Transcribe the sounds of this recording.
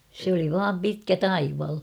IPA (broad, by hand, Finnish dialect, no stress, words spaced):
se oli ʋɑːm pitkæ tɑiʋɑl